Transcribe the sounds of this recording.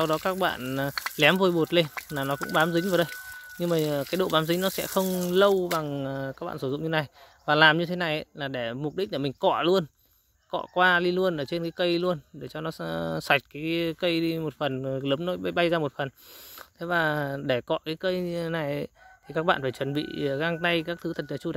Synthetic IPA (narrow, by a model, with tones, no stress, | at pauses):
a˧wɗɔ˨˦kaː˦˥k̚ɓa̰ː˧˨nː˨˩lɛ˨˦mvo˧˩jɓo˨˩t̚le˧nlaː˨˩nɔ˨˦kʊ̰˧˥ŋ͡mɓaː˨˦mzï˨˦ŋ̟vaː˨˩wɗə˧jɲɨ˧ŋmaː˨˩˨kaː˨˦jɗo̰˧˨ɓaː˨˦mzi˨˦ŋ̟nɔ˨˦sɛ̰˧˥xə˧wŋ͡mlə˧wɓa˨˩ŋ˨ka˦˥ɓa̰ː˧˨sɨ˧˩zʊ̰˧˨ŋ͡mɲɨ˧na˨˩j | vaː˨˩laː˨˩mɲɨ˧t̪ʰe˨˦na˨˩jʔə˨˦jlaː˨˩ɗe˧˩m˨˩t̚ɗi˦˥k̟̚ləː˧˩mi˨˩ŋ̟kɔ̰˧˨lu˧ən | kɔ̰˧˨kwaː˧ɗi˧lu˧ənʔəː˧˩t͡ɕe˧nkaː˨˦kə˧jlu˧ənɗe˧˩t͡ɕɔ˧nɔ˨˦swa˨˩jk̟̚kaː˨˦jkə˧jɗi˧mo˨˩t̚fə˨˩nləː˨˦mno˨˦ɓjɓa˧jzaː˧mo˨˩t̚fə˨˩nt̪ʰe˨˦vaː˨˩ɗe˧˩kɔ̰˧˨kaː˨˦jkə˧jna˨˩jə̰˧˦t̪ʰi˨˩kaː˦˥k̚ɓa̰ː˧˨˩faː˧˩jt͡ɕwə˨˩nɓḭ˧˨˩ɣa˧ŋt̪a˧jkaː˦˥k̚t̪ʰɨ˨˦t̪ʰə˨˩t̚ɲa˨˩t͡ɕu˧˨